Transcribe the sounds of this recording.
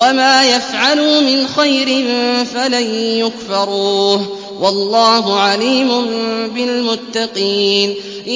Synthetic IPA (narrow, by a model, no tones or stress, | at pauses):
amaːjafʕaluːmɪnxajɾɪnfalajjʊkfɑɾˤuːh | wɑlːɑːɦʊʕaliːmʊmbɪlmʊt̪ːɑqiːn | ʔɪ